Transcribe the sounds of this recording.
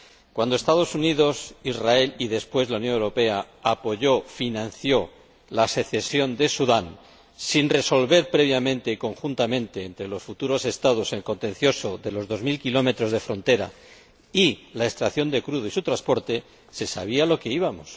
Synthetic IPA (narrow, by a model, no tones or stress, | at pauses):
kwand̪oe̞st̪að̞o̞suniðo̞sizrae̞liðe̞spwe̞zlaunjonewɾo̞pe̞a | apo̞ʝo̞finãnθjo̞ | lase̞θe̞sjo̞nd̪e̞suðan | sinre̞so̞lβe̞ɾpɾe̞β̞jamẽ̞nt̪e̞iko̞ŋxunt̪amẽ̞nt̪e̞ːnt̪ɾe̞lo̞sfut̪uɾo̞se̞st̪að̞o̞seŋko̞nt̪e̞n̟θjo̞so̞ðe̞lo̞zðo̞zmilkilo̞me̞t̪ɾo̞zð̞e̞fɾo̞nt̪e̞ɾa̰ | ilae̞st̪ɾaθjo̞nd̪e̞kɾuðoisut̪ɾaspo̞ɾt̪e̞ | se̞sa̰βialo̞ke̞iβamo̞s